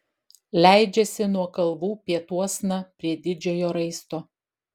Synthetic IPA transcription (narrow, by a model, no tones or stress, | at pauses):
lʲæˑɪd͡ʒʲɛsʲɪnuɔkɐlˠʋuːpʲiɛt̪uɔsnɐpʲɾʲiɛd̪ʲɪd͡ʒʲoːjoːɾɐɪst̪oː